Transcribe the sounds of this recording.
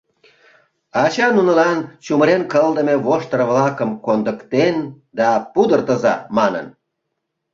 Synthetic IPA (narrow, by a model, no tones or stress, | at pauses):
ɑt͡ɕɑnunə̆lɑnt͡ɕuməɾenkəld̪əmeβoʃt̪əɾəβlɑkəmkond̪əkt̪en | d̪ɑpud̪ərt̪əzɑ̰mɑnə̰n